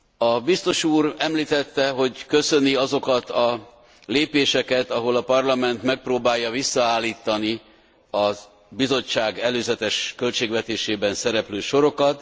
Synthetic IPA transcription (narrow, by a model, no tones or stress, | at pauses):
ɒbist̪o̞ʃuːrɛmliːt̪ɛt̪ːɛɦo̞ɟkø̞sø̞niɒzo̞kɒt̪ɒ | leːpeːʃɛkɛt̪ɒɦo̞lɒpɒrlɒmɛnt̪mɛk̚proːbaːjːɒvisːɒaːlːiːt̪ːɒni | ɒz | bizo̞t͡ʃːaːɡɛløːzɛt̪ɛʃkø̞lt͡ʃeːɡvɛt̪eːʃeːbɛnsɛɾɛpløːʃo̞ɾo̞kɒt̪